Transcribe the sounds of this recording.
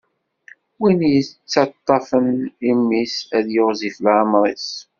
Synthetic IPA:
winjət͡sːɑt̪ˤːɑfənimːisæðjoʁzifəlʕɑmɾˤeθ

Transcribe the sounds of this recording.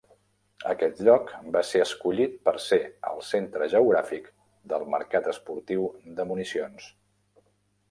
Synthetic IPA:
ə̰kɛt̪ʎɔkbaseəskuʎit̪̚pəɾseə̰lˠsent̪ɾəʒəuɣɾafik | d̪əlˠmə̰ɾkat̪əspuɾt̪iwd̪əmunisions

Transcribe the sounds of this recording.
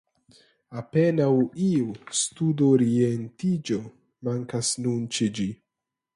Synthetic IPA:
ape̞nawiustudoɾientid͡ʒo̞ | maŋkasnunt͡ʃed͡ʒi

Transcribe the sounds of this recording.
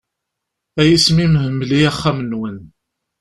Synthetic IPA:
æjismimhəmːliæχːæmənwən

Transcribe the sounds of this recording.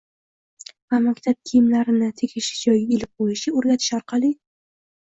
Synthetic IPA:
vamakʲt̪ʰap̚kʲʰijɪmlaɾɪnɪt̪ʰekʲʰɪʃɪ̥d͡ʒɒjɡʲaelɪp̚qʰojɪʃɪoɾɡʲat̪ʰɪ̥ʃɒɾqʰɑlˠɪ

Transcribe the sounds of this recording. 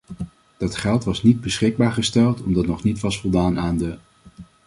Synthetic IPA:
d̥ɑtχɛlˠtʋɑsnid̚bəsχɪɡ̚baːɹχəstɛlˠtɔmdɑtnɔχnitʋɑsfɔlˠdaːnaːndə

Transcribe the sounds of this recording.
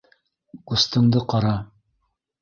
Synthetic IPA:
ŏst̪ɤ̆ɴd̪ɤqɑɾɑ

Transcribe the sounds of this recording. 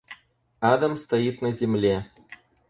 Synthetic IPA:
ɑd̪əmst̪ɐjit̪nɐzʲemlʲe

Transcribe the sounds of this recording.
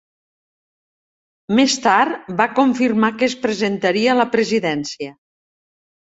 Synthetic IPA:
mest̪aɾbakoɱfirmakəːspɾezent̪aɾiələpɾeziðɛnsiə

